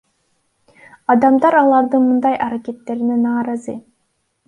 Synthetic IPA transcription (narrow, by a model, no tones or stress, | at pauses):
ɑd̪ɑmd̪ɑɾɑlˠɑɾd̪ɯnmɯnd̪ɑjʔɑɾake̞t̪ːe̞ɾinenɑːɾɑzɯ